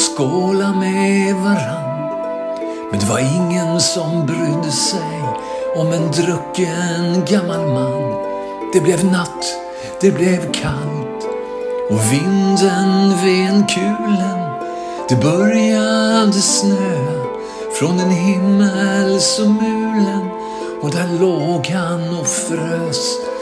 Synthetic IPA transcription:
skoːlamɛvaɾan | mɛnd̪ɛvaɾɪŋːənsɔmbɾʉd̪əsɛj | ɔmɛnd̪ɾœkːənɡamːalmanː | d̪̥ɛblɛvnat̪ː | d̪̥ɛblɛvkʰalt̪ | ɔvɪnd̪ənvɪɛnkʰʉ̟ːlən | d̪̥ɛbœɾjad̪əsnøː | fɾɔnd̪ɛnɦɪmːəlsɔmʉ̟ːlən | ɔd̪æɭoːɡhanɔfɾəs

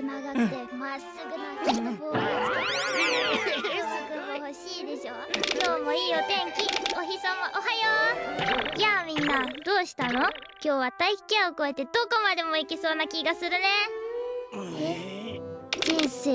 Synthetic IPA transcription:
naɡakt̪emasɨɡɯ̟nakeoboːot͡sk̪ae | okɯho̞ɕiːd̪e̞ɕo̞ːkʲo̞ːmo̞iːot̪ẽ̞ŋkʲioçisomoʔoɦajo | jamʲĩnːad̪o̞ːɕi̥t̪ano̞kʲo̞ːβat̪aiçi̥kʲẽoko̞e̞t̪e̞d̪o̞ko̞mad̪e̞mo̞ikʲiso̞ːnakʲiɡasɨɾɯ̟ne̞ | e | d͡ʑĩɰ̃se̞ː

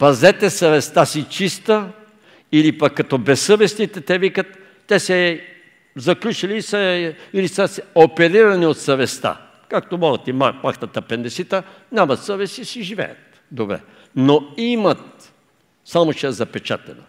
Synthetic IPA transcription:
pɐzɛt̪ɛsɐvɛst̪asit͡ʃist̪ə | ilipɐkːɐt̪ɔbɛsəvɛsnit̪ɛt̪ɛvikɐt̪ː | ɛsɛ | zɐklʲut͡ʃiliːsəilisəsɛopɛɾiɾɐniot̪sɐvɛst̪a̰ | kakt̪omɔɾɐt̪imamaxt̪ɐt̪ɐpɛnd̪ɛsit̪ə | nʲamɐt̪səvɛsisiʒivɛ̰jɐ̰t̪ | d̪obɾɛ̰ | noimɐt̪̚ | samot͡ʃɛɛzɐpɛt͡ʃa̰t̪ɛ̰nɐ̰

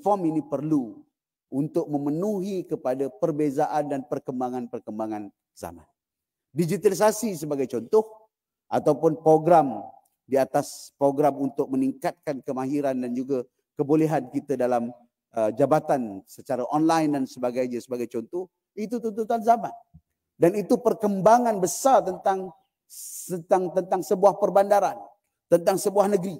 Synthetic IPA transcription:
fɔminipərlu | ʔunt̪ʊk̚mə̃mənuɦikəpadapərbezaʔandanpərkəmbaŋanpərkəmbaŋan | za̰ma̰n | did͡ʒit̪alis̬asis̬əbaɡajt͡ʃɔnt̪ʊh | ʔat̪awpʊnpɾoɡɾam | diat̪aspɾoɡɾamunt̪ʊk̚məniŋkat̪̚kankəmaɦiɾandand͡ʒuɡa | kəboleɦankit̪ədalam | əd͡ʒabat̪ansət͡ʃaɾaʔɔnlajndansəbaɡajɲəsəbaɡajt͡ʃɔnt̪ɔh | it̪ut̪unt̪ut̪anzaman | danit̪upərkəmbaŋãnbəsart̪ənt̪aŋ | ət̪aŋt̪ənt̪aŋsəbuahpərbandaɾan | t̪ənt̪aŋsəbuahnəɡɾi

